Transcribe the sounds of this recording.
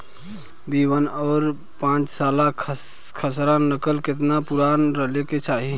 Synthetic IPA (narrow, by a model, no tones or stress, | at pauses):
biːwənɔːɾ | pãːt͡ʃsaːla | kʰəsɾãnəkəlkɪt̪napʊɾaːnɾəɦleket͡ʃaːɦi